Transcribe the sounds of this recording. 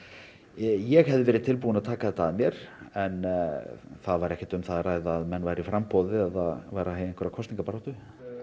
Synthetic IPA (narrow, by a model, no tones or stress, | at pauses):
jɛɣhɛvðɪvɛːɾɪðt̪ʰɪlp̬uːʏnaðt̪ʰaːkaθɛht̪ːaːðmjɛɾ̥ɛn | θaðvaɾɛhcɛt̪ʏmθaðraːjðaːðmɛnːvajɾɪɾifɾampɔwðɪɛðavajɾaheːjɛnkvɛɾakʰɔst̪niŋkapaɾawt̪ʏ